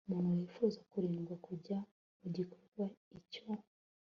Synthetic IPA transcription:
umuːn̥hujiːfuːzakuɾiːŋɡwakuɟa | muɟikoɾɡwaico

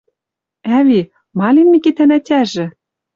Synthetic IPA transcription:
ævi | mɑlʲinmikit̪ænætʲæʒɘ̆

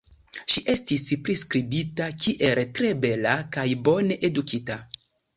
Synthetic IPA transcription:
ʃiʔe̞stispɾiskɾibitakʰiʔe̞ltɾe̞be̞lakajbo̞ne̞ʔedukita

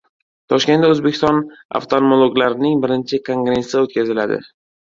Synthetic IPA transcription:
t̪ʰɒʃkʲe̞naɵzbekʲʰɪ̥st̪ɒna̰ft̪ʰonmolˠoɡlaɾɪnɪŋbɪɾɪnt͡ʃʰɪkʰo̞ŋɡɾe̞sɪot̪̚kʲʰazɪlad̪ɪ̰

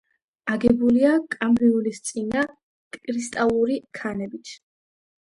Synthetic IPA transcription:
aɡɛbuliakʼamɾiulist̪sʼina | kʼkʼɾist̪ʼalˠuɾikʰanɛbit̪ʰ

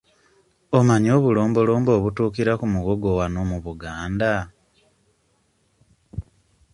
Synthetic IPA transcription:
o̞maɲoːβulo̞ːmbo̞lo̞ːmbo̞ːβutuːkiɾakumuɣo̞ɡo̞wano̞muβuɡaːnda

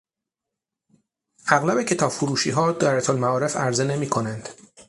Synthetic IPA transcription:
ʔæɣlæbe̞cʰe̞t̪ʰɒːb̥fuɾuːʃiːɦɒːd̪ɒːɾæt̪ʰolmæɒːɾe̞fæɾzene̞miːkʰo̞nænd̪̥

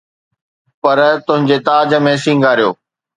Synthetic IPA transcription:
pɐɾt̪ʊ̃ɦɪ̃ɲd͡ʑet̪aːd͡ʑə̆mẽsĩːŋɡʱaːɾijoː

